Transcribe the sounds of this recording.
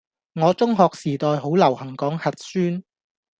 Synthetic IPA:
ŋɔː˨˧t͡sʊ˥ŋɦɔː˨k̚siː˨˩t̪ɔː˨jɦo˨˥wlɐ˨˩whɐ˨˩ŋkɔː˨˥ŋhɐ˨t̚syː˥n

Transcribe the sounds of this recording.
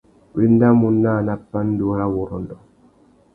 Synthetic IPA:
wi˦n˦da˦mu˦nːa˦˨na˦pːa˦n̩˦du˨˦ɾa˦wo˨ɾɔ˨ndɔ˨

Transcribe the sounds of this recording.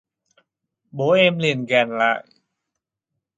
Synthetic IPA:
boː˨˦ʔe˧mli˧˩ənɡɛː˧˩nla˦˥ʔ

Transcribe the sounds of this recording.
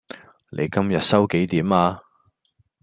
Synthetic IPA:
lḛ˨˧jkɐ˥mjɐ˨t̚sɐ˥wke˨˥jt̪iː˨˥maː˧

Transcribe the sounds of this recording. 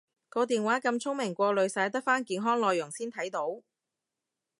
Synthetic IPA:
kɔː˧t̪iː˨nwaː˨˥kɐ˧mt͡sʰʊ˥ŋmɪ˨˩ŋkʷɔː˧lɵ˨˧ɥsaː˨˥jt̪ɐ˥k̚faː˥nkiː˨˧nɦɔː˥ŋlɔː˨jːʊ˨˩ŋsiː˥nt̪ʰɐ˨˥jt̪o˨˥w

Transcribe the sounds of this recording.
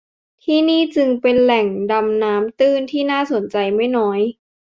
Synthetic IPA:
t̪ʰiː˥˩niː˥˩t͡ɕɯ˧ŋpe˧nlɛ˨˩ŋda˧mnaː˦˥mt̪ɯː˥˩nt̪ʰiː˥˩naː˥˩so˨˩˦nt͡ɕa˧jma˥˩jnɔː˦˥j

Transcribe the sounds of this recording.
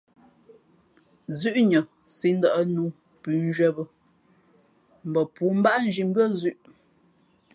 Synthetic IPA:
zʉ˦ʔɲə˨ | si˨˦n̩˦də˨ʔə˦nu˨˦ | pʉ˨n˦d͡ʒɥɛ˦bə˨ | m̩˨bə˨puː˨˦m̩˦ba˦ʔn̩˦d͡ʒi˨m˦bɥə˦˨zʉ˦ʔ

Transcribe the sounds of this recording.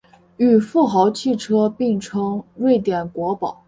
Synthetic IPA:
y˨˩fu˥˩xɑ˧˥ʊt͡ɕʰi˥˩ʈ͡ʂʰɤ˥pi˥˩ŋʈ͡ʂʰɤ˥ŋɻwe˥˩ɪt̪jɛ˨˩nkwɔ˧˥pɑ˨˩˦ʊ

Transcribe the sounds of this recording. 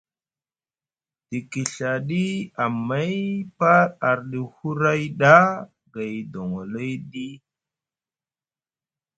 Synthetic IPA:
d̥i˨ki˨ɬa˨ɗi˦a˨mːa˦jpa˦ɾa˨ɾɗi˨hu˦ɾa˦jɗa˦ | ɡa˨jdo˨ŋo˨lo˦jɗi˦

